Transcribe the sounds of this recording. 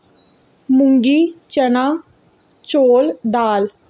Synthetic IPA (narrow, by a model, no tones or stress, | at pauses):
mʊŋɡiːt͡ʃənaː | t͡ʃoːld̪aːl